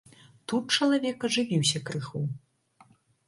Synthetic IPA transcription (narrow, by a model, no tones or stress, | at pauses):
t̪ut̪̚t͡ʂɐlˠavʲɛkɐʐɨvʲiwsʲɐkɾɨxu